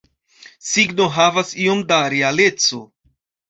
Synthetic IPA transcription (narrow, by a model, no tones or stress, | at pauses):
siɡno̞ɦavasio̞mdaɾeale̞t͡so̞